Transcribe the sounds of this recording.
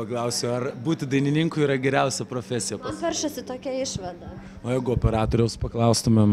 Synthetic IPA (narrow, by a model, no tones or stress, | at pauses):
pɐklˠɐʊsʲoɐrbuːt̪ʲɪd̪ɐɪnʲɪnʲɪŋkʊɪɾɐɡʲɛɾʲɛʊsʲɛpɾoːfʲæsʲɪjɛpɐʋʲɛrʃɐsʲɪt̪oːkʲɛɪʃʋɐd̪ɐ | oːjæɪɡʊoːpʲɛɾɑːt̪oːɾʲɛʊspɐklˠɐʊst̪ʊmʲɛm